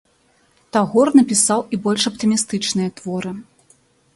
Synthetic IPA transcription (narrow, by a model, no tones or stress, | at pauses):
t̪aɣɔrnɐpʲisawibɔlʲʂɐpt̪ɨmʲist̪ɨt͡ʂnɨjɐt̪vɔɾɨ